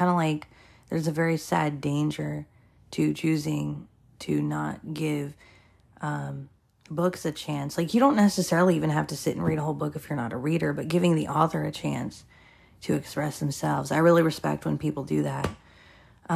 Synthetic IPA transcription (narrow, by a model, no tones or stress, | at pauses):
ãɪ̃ndəlaɪk | ðə˞zɨvɛɹisæ̰dẽɪ̃nd͡ʒə˞ | ɾʰɨt͡ʃʰʉzɪ̃ŋ | tʰɨnə̰t̚ɡ̥ɪv̥ | ʔʌ̃m | bʊksɨt͡ʃʰæ̃nslaɪkjɨɾõʊ̃nːɛsɨsɛɹl̩ˠiivɨ̃nɦæftɨsɪɾn̩ɹiɾəɦoʊlˠbʊkɨfjə˞nə̰ɾɨɹiɾə˞bʌt̚ɡ̥ɪvɪ̃ŋðḭʔɔθə˞ɨt͡ʃʰæ̃ns | tʰɨɨkspɹɛsð̃m̩sɛ̰lˠvzaɪɹɪlˠiɹɨspɛ̰k̚t̚wə̰̃npipl̩ˠdɨðæt̚ | ʔ